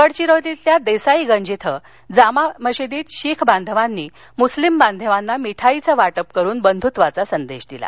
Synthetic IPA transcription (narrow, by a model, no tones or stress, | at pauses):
əɽt͡ɕiɾot̪it̪ljad̪esaiɡəɲd͡ʑit̪ʰə | d͡zamaməɕed̪iːt̪ɕikʰband̪ʱəʋanːiː | muslimband̪ʱəʋanːamiʈʰait͡səʋaʈəp̚kəɾuːnbənd̪ʱut̪ʋat͡sasənd̪eɕd̪ila̰